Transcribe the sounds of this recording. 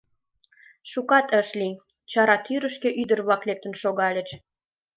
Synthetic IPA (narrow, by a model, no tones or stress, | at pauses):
ʃukɑt̪əʃli | t͡ɕɑɾɑt̪yɾəʃkeʔyd̪ərβlɑklek̚t̪ə̆nʃoɣɑlʲə̆t͡ɕ